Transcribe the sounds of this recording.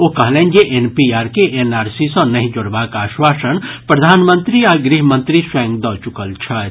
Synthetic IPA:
okəɦlɛ̃njeʔenpiaɾkeʔenaːɾsisə̃nəɦĩd͡ʒoɽbakaːswasənpɾəd̪ʱaːnmənt̪ɾiaɡɾiɦmənt̪ɾiswɛ̃ŋɡd̪ɔt͡ʃukəlt͡ʃʰət̪

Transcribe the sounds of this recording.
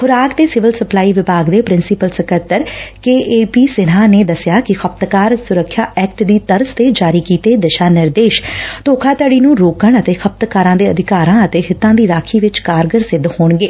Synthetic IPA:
xʰʊɾaːkd̪eːsɪʋəlsəplaːiːʋɪbaːɡd̪eːpɾɪnsɪpəlsəkət̪əɾkeːʔeːpiːsɪnãːneːd̪əsɪjaːkɪxʰəp̚t̪kaːɾsʊɾəkʰjaːʔɛːk̚ʈd̪iːt̪əɾst̪eːd͡ʒaːɾiːkiːt̪eːd̪ɪʃaːnɪɾd̪eːʃt̪oːkʰaːt̪əɽiːnũːɾoːkəɳət̪eːxʰəp̚t̪kaːɾãːd̪eːəd̪ʱɪkaːɾãːət̪eːɦɪt̪ːãːd̪iːɾaːkʰiːʋɪt͡ʃkaːɾɡəɾsɪd̪hoːɳɡeː

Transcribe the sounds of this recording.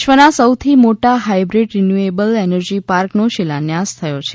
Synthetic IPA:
ʃʋənasəwt̪ʰimoʈaɦajbɾiɖɾinjuebəlenəɾd͡ʒipaɾknoʃɪlanjast̪ʰəjot͡ʃʰe

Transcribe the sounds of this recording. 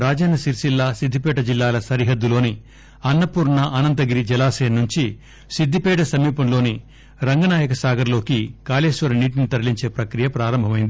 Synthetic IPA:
ɾaːd͡ʒɐːnɐsiɾʃilːaːsid̪ʱːipɛːʈɐd͡ʒilːaːlɐsɐɾiɦɐd̪ːulo̞ːni | ɐnːɐpuːɾnɐʔɐnɐnt̪̬ɐɡiɾid͡ʒɛlaːseːnnːuɲt͡ʃi | sid̪ːipɛːʈɐsɐmiːpɐmlo̞ːni | ɾɐŋɡɐnaːjɐkɐsaːɡɐɾlo̞ːkikaːleːʃʋɐɾɐniːʈinit̪ɐɾliɲt͡ʃe̞ːpɾɐkɾijɐpɾaːɾɐmbʱɐmɐjind̪ii

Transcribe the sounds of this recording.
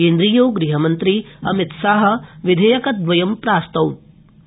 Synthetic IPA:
eːnd̪ɾijoːɡɾiɦɐmɐnt̪ɾiɐmit̪saːɦɐ̆ʋid̪ʱɐjɐkɐd̪ʋɐjɐmpɾaːst̪ɐwt̪̚

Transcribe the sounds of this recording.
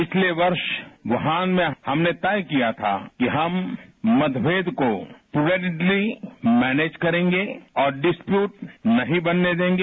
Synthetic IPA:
pɪt͡ʃʰleʋɐɾʃʋɐɦaːnmẽhɐmnet̪ɛːjkijat̪ʰa̰kiɦɐmːɐd̪ʋeːd̪kopeːɖɪɖlimɛːneːd͡ʒkɐɾẽːŋɡeɔːɾɖɪspjuːʈ̚nɐɦĩbɐnːed̪ẽːŋɡeː

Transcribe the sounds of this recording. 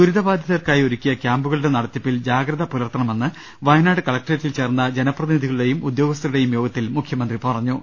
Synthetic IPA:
d̪uɾiðɐbaːd̪ʱjɐðɐrkaːjioɾukʲːijɐkʲjaːmbuɣɐɭuɽe̞nɐɽɐt̪ːipːild͡ʑaːɡɾɐðɐpulɐrt̪ːɐɳɐme̞nːɨ | ʋɐjɐnaːɽɨkɐɭɐk̚ʈɐetːilt͡ɕe̞ːrnːɐd͡ʑe̞nɐprɐðiniðiɣɐɭuɽe̞jumud̪jo̞ːɡɐst̪ɐɾuɽe̞jumjo̞ːɡɐt̪ːilmukʰjɐmɐnd̪ripɐrɐɲːu

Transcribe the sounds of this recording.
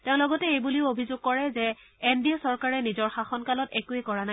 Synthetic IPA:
teʊ̃lɔɡɔtɛejbuliʊobʱizʊɡ̚kɔɹɛzɛ | endiɔsɔɹkaɹɛnizɔɹxaxɔnkalɔtɛkuɛkɔɹanaj

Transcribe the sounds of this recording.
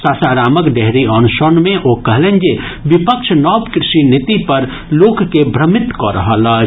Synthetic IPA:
saːsaːɾaːməkɖeɦɾiɔnʃənmẽʔokəɦlẽnd͡ʒeʋɪpəkʃʰnɔːpkɾɪʃinit̪ipəɾ | loːkkebʱɾəmɪt̪kɔɾə̰ɦələ

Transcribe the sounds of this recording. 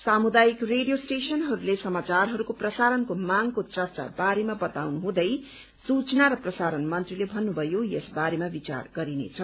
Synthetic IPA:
samud̪ajikreɽijosʈesʌnɦʌɾulesʌmat͡sarɦʌɾukoprʌsaɾʌnkomaŋkot͡sʌrt͡sa̰baɾemabʌt̪awnuɦũd̪ʌj | sut͡snaɾʌprʌsaɾʌnmʌnt̪rilebʱʌnːubʱʌjojʌsbaɾemabit͡sa̰rɡʌɾinḛt͡sʰʌ

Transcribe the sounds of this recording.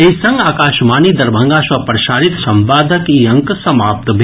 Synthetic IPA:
eisɐ̃ŋɡaːkaːʃmaːnid̪ɐɾbʱɐ̃ŋɡaːswɐpɾɐʃaːɾit̪sɐmʋaːd̪ʱəkiɐŋksɐmaːp̚t̪bʱ

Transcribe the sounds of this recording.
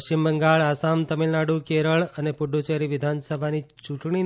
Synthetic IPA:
imbəŋɡaɭasamt̪əmilnaɽukeɾəɭənepʊɖʱut͡ʃeɾiʋɪd̪ʱansəbʱanit͡ʃũʈɳ̃i

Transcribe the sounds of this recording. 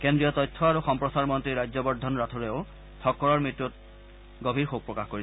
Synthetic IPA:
kendɹijɔtɔjtʰːɔaɹuxɔmpɹɔsaɹmɔntɹiɹajzɔbɔɹdʱːɔnɹatʰuɹeo | tʰɔkːɔɹɔɹmɹitːut̚ | ɡobʱiɹxoɡ̚pɹɔkaxkoɹi

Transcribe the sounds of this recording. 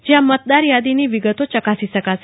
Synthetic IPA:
d͡ʑjamət̪̚d̪aɾjad̪iniːʋiɡət̪ot͡ɕəkasisəkas

